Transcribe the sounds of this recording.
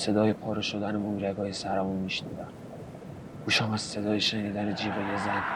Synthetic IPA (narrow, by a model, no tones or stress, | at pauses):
se̞d̪ɒːjepʰɒːɾeʃod̪ænemumɾæɡɒːjesæɾæmunmiʃnḭd̪æm | ɡ̥uːʃamæz̥se̞d̪ɒːjeʃeniːd̪æned͡ʒiɾejezæn